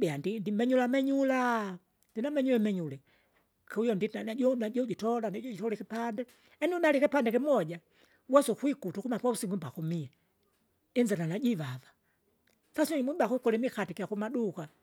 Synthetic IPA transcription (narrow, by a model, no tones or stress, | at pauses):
ɓɛandindimɛɲulamɛɲula | ndinamɛɲulɛmɛɲulɛ | kaujɔndinanaɔnaɟɔɟitɔlanaɟɔɟitɔlɛkɛpandɛ | ɛniunalikɛpandɛkɛmɔd͡ʒa | wɛsɔkwikutukumapwausiŋɡumbakumiɛ | inzananaɟivava | sasuɲimwibakukɔlɛmikatikijakumaɗuka